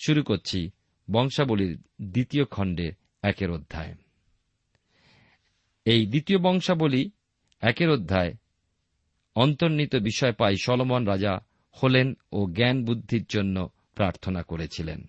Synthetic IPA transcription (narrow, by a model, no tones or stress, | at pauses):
ʃuɾukoɾt͡ɕʰi | bɔŋʃaboliɾ | d̪it̪iokʰɔɳɖe | ɛkeɾod̪ʱːae | ejd̪it̪iobɔŋʃaboli | ɛkeɾod̪ʱːae | ɔnt̪oɾnit̪obiʃɔepajʃɔlomonɾad͡ʑa | holenoɡɛnbud̪ʱːiɾd͡ʑonːo | pɾaɾt̪ʰonakoɾet͡ɕʰilḛn